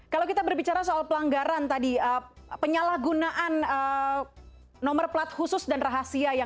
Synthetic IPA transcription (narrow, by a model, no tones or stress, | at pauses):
kalawkit̪abərbit͡ʃaɾasoalpəlaŋɡaɾant̪adiə | pəɲalahɡunaʔanə | nɔmərplat̪̚husʊsdanraɦasiaja